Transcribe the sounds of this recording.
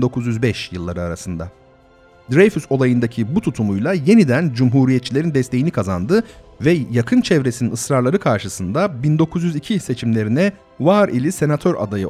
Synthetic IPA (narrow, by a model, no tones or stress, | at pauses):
d̪o̞kʰuzjyzbɛʃjɯlˠːaɾɯaɾasɯnd̪a̰ | d̪ɾejfyso̞lˠajɯnd̪acʰibut̪ʰut̪ʰumujlˠaje̞nid̪ænd͡ʒumɦuːɾijet̪̚ːt͡ʃilʲeɾind̪ɛst̪ʰe̞jinikʰaza̰nd̪ɯvɛjakʰɯnt͡ʃʰɛvɾe̞sininɯsɾaɾlˠaɾɯkʰaɾʃɯsɯnd̪abind̪o̞kʰuzjyzicʰise̞t͡ʃʰimlʲe̞ɾinɛ | vaɾilʲɛse̞nat̪ʰø̞ɾa̰d̪ajɯ̰